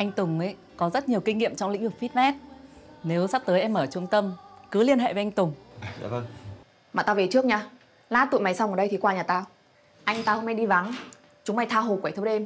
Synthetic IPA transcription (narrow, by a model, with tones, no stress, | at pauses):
ʔa˧jŋ̟t̪ʊ˨˩ŋ͡mʔə˨˦j | kɔ˨˦zə˦˥t̚ɲi˨˩əwkï˧ŋ̟ŋḭ˧˨əmt͡ɕɔ˧wŋ͡mlḭ˧˥ŋ̟vɨ˨˩k̚fi˦˥t̚mɛ˦˥t̚ | ne˨˦wsa˦˥p̚t̪əː˨˦jʔɛ˧mʔəː˧˩t͡ɕu˧˦əŋt̪ə˧mkɨ˨˦li˧ənɦḛ˧˨ve˨˦ʔa˧jŋ̟t̪ʊ˨˩ŋ͡ma̰˧˨˧ | maː˨˩t̪aː˧ve˨˩t͡ɕɨ˦˥ək̚ɲaː˧˩ | laː˧˥t̪ṵ˧˨jma˨˦jsa˧wŋəː˨˩ɗə˧jt̪ʰi˨˩kwaː˧ɲaː˨˩t̪aː˧ | ʔa˧jŋ̟t̪aː˧ə˧wma˧jɗi˧va˨˦ŋ | t͡ɕʊ˨˦ŋ͡mma˧˩jt̪ʰaː˧ɦo˨˩kwa˧˩t̪ʰə˧˦ɗe˧m